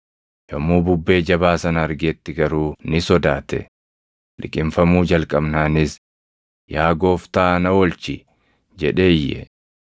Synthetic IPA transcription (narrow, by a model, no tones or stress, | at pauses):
jɐmːuːbʊbːe̞ːd͡ʒɐbaːsɐnɐɐɾɡeːt̪ːɪɡɐɾuːnɪsɔd̪aːt̪ɛ̰ | lɪ̰kʼɪmfɐmuːd͡ʒɐlkʼɐbnaːnɪs | jaːɡo̞ːft̪aːnɐwɔlt͡ʃɪ | d͡ʒɛᶑeːjːɛ̰